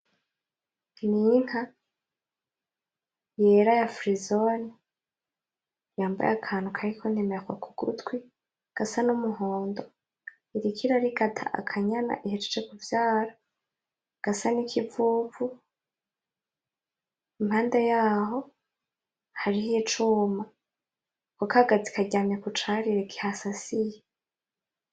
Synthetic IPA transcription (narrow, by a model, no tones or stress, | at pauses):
nin̥ha | jeɾajafɾizoni | jaːmba̰jakʰaːnhukʰaɾikʰonemeɾakwakuɡ̥ṵtwi | ɡ̥asanumuɦo̞ːndo | iɾikʰiɾaɾiɡatʰa̰ʔa̰kʰaɲana̰ʔihet͡ʃe̥t͡ʃekuvjaːɾa | ɡ̥asanikʰivuːvu | imhaːndejaːɦo̞ | haɾihit͡ʃuma | kokaɡad͡zikaɟaːmakut͡ʃaːɾiɾekʰi̥hasasije